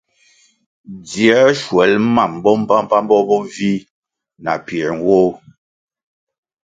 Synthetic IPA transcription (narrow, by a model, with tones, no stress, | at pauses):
di˨ɛ˨˦ʃwɛ˨˦lma˦˨m˨bɔ˦m̩˦pa˦m˦pa˦m˦bɔ˦bɔ˦vi˦ | na̰˨pjɛ˨ɾŋ̩˨˦wo˦